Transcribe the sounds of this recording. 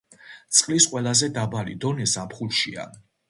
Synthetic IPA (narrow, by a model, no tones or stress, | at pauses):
t̪sʼqʼlisqʼwɛlˠazɛd̪abalḭd̪ɔnɛsapχulˠʃia̰